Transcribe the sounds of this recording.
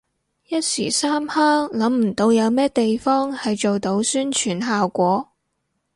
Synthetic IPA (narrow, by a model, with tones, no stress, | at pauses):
jɐ˥t̚sḭː˨˩saː˥mhaː˥ŋlɐ˨˥mm̩˨˩t̪o˨˧wjɐ˨˧wmɛː˥t̪e˨jfɔː˥ŋhɐ˨jt͡ʃo˨wt̪o˧˥wsyː˥nt͡ʃʰyː˨˩nɦaː˨wkʷɔː˨˥